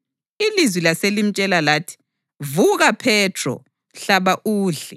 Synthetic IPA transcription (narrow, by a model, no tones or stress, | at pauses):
ilizwilaselim̩t͡ʃʼɛlalaːtʰi̥ | vuɣapʰɛtʰrɔ̰ | ɬaβaʔuːɮɛ